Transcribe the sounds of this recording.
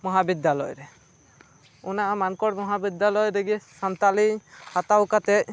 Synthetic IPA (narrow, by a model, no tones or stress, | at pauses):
mɔɦabid̪jalɔjɾɛ | unaʔamankɔɽmɔɦabid̪jalɔjɾɛɡɛsant̪alihat̪awkat̪ɛc̚